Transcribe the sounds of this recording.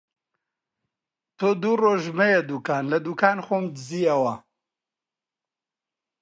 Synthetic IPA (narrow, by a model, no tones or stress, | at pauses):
t̪ʰod̪uroːʒmɐjed̪uːkaːnlɐd̪uːkaːnxoːmd̪ɨziːɐwɐ